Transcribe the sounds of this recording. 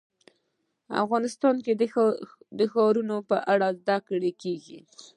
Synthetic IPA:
a̰fɣɑnɪst̪ɑnke | d̪əxɑɾunopəʔaɽazd̪akɽekeɡḭ

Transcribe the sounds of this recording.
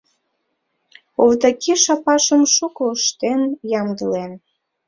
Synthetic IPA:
ovt̪ɑkʰiʃɑpɑʃəmʃukoːʃt̪enjɑmd̪əlen

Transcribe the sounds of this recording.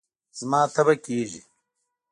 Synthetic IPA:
z̥mɑːt̪abakeːʒi

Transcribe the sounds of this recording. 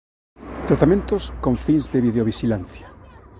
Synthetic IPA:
t̪ɾat̪amẽnt̪oskõɱfĩŋzðeβiðeoβ̞iʃilanθjḁ

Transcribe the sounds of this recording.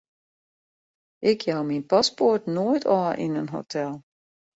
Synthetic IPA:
ʔɪkʰjawminpaspotnojtʰɔʔḭnənɦo̰tʰɛlˠ

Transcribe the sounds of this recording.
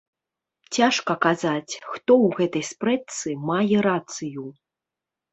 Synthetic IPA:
t͡sʲaʂkɐkazat͡sʲxt̪ɔwɣɛt̪ɐjspɾɛt̪sɨmajɛɾat̪sɨju

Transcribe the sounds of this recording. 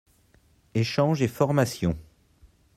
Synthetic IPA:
eʃɑ̃ʒefɔʁmasjɔ̃

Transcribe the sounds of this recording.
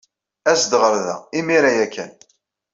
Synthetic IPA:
æsd̪ʁəɾðæ̰imiɾæjækːæ̰n

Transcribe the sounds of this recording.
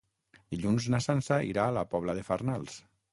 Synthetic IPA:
d̪̥iʎunznasansaʔḭɾaːlapɔβ̞laðefarnalˠs

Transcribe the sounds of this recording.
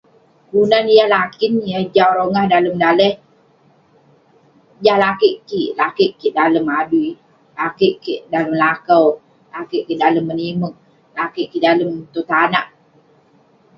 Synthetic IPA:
kunanjahlakinjahd͡ʒawɾoŋahdaləmdalɛh | d͡ʒahlakeʔkiʔlakeʔkiʔdaləmadui | lakeʔkiʔdaləmlakəw | lakeʔkiʔdaləmːənimək̚ | lakiʔkidaləmt̪ot̪anaʔ

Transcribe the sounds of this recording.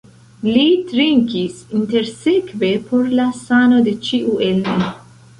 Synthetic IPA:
lit̪ɾiŋkisint̪eɾsekvepʰoɾlasanod̪et͡ʃiʔuʔelmi

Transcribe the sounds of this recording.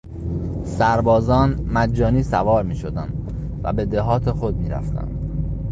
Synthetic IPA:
sæɾbɒːzɒːnmæd͡ʒːɒːniːsævɒːɾmiːʃo̞d̪ænd̪ | væ̰be̞d̪eɦɒːt̪ʰexo̞d̪̚miːɾæ̰ft̪ʰæ̰nd̪̥

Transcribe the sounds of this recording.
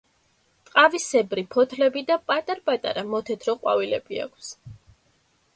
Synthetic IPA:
t̪ʼqʼavisɛbɾipʰɔt̪ʰlɛbid̪apʼat̪ʼaɾpʼat̪ʼa̰ɾamɔt̪ʰɛt̪ʰɾɔqʼwa̰vilɛ̰bia̰kʷʰs

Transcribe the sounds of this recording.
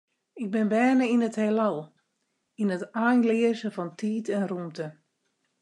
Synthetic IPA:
ɪɡ̚bɪnbɛːnəinəthelɔlˠ | inətajnlɪəzəfɔntʰiːtɛnrumtə

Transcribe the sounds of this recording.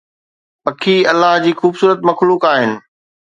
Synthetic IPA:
pɐkʰiɐlːaɦd͡ʑiːxuːbsuːɾət̪mɐxluːkaːɦɪnɪ̆

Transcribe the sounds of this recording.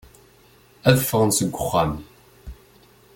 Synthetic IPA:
ɐðfəʁnsɨɡʷʊχʷɑm

